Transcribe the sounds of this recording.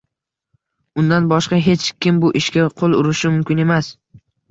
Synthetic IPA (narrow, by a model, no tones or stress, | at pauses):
ʊnd̪anbɒʃqɑɦe̞t͡ʃkʲɪmbʊʔɪʃkʲaqʰolˠʊɾɪʃɪmʊmkʲɪne̞mas